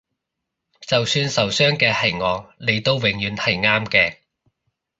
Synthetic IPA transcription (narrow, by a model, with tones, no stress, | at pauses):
t͡sɐ˨wsyː˧nsɐ˨wsœː˥ŋkɛː˧hɐ˨˩jŋɔː˨˧ŋle˨jt̪o˥˧wːwɪ˨˩ŋjyː˨˧nhɐ˨˩jŋaː˥mkɛː˧